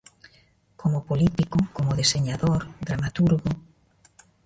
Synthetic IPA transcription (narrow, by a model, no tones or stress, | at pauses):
kʰomopolit̪ikʊkomoðeseɲaðoɾðɾamat̪uɾɣo